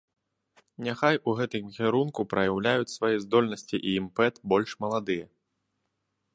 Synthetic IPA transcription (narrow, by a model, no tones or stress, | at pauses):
nʲaxajuɣɛt̪ɨmkʲɛɾunkupɾɐjawlʲajut͡sʲsvajɛzd̪ɔlʲnɐsʲt͡sʲiʔiːmpɛt̪bɔlʲʂmɐlˠad̪ɨjɐ